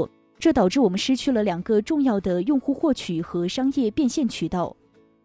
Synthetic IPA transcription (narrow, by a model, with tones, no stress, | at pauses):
ʈ͡ʂɤ˥˩t̪ɑ˨˩ʊ̯ʈ͡ʂɻ̩˥˩wɔ˨˩mə˦nʂɻ̩˥t͡ɕʰy˥˩lə˩ljɑ˨˩ŋɡə˧ʈ͡ʂʊ˥˧ŋjɑ˥˩ʊd̪ə˩jʊ˥˧ŋxu˥˧xwɔ˥˩t͡ɕʰy˨˩xɤ˧˥ʂɑ˥ŋjɛ˥˧pjɛ˥˧nɕjɛ˥˩nt͡ɕʰy˨˩t̪ɑ˥˩ʊ